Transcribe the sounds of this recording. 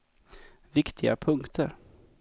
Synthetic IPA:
vɪkt̪ʰɪɡa̰pʰɵŋkt̪ʰəɾ

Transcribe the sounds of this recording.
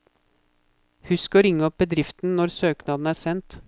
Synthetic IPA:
hʉskɔːɾɪŋːəɔp̚bəd̪ɾɪft̪n̩nɔɾsøːknɑd̪n̩æːsɛnt̪

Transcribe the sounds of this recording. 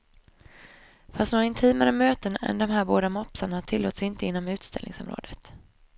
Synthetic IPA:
fast̪noːɾaɪnt̪ʰiːmaɾəmøːt̪ənɛ̰nd̪ɔmɦæːɾboːd̪amɔpsanaaʈ̪ʰɪlːoːt̪sɪnt̪əɪnːɔmʉ̟ːt̪st̪ʰɛ̰lnɪ̰ŋsɔmɾo̰ːd̪ət̪

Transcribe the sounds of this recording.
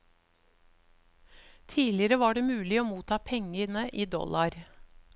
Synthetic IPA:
t̪ʰiːlɪəɾəʋɑːɖeːmʉːlɪoːmuːt̪ʰɑːpʰɛŋənəʔiːd̪ɔ̰lʔɑɾ

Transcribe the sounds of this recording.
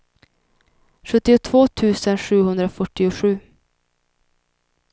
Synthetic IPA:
ɧɵt̪ːɪʊt̪ʰvoːt̪ʰʉ̟ːsənɧʉ̟ːɦɵnd̪ɾafœʈːɪʊɧʉ̟ː

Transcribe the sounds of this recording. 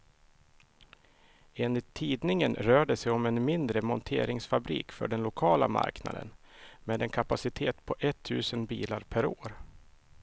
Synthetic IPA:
eːnɪt̪ʰːiːd̪nɪŋənɾœːɖəsɛjɔmɛnmɪnd̪ɾəmɔnt̪ʰeːɾɪŋsfabɾḭːkfœ̰ɖɛnlʊkʰɑːla̰ma̰ɾkna̰d̪ə̰nmeːd̪ɛnkʰapasɪt̪ʰeːt̪pʰɔʔɛt̪ʰːʉ̟ːsənbiːlaɾpʰæɾoːɾ

